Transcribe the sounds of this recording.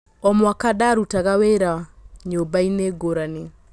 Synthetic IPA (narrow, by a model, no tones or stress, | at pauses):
ɔmwakadaɾutaɣaweɾaɲobaineɡoɾane